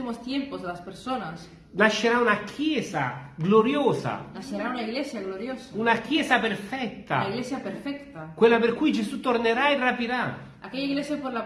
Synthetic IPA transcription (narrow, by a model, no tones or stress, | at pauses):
imost̪jɛmpozd̪elaspeɾsonas | naʃːeɾaunakʰjɛːsa̰ɡloɾjoːsa̰naʃeɾaunaiɣlesjaɣloɾjosaunakjɛːzapeɾfɛt̪ːa̰aiɣlesjapeɾfɛkt̪akwelːapeɾkujd͡ʒesut̪oɾneɾaerapiɾa | akeʎaiɡlesjapoɾla